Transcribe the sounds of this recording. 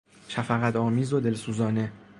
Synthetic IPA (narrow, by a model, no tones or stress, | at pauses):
ʃæfæɣæt̪ʰɒːmiːzod̪e̞lsuːzɒːne̞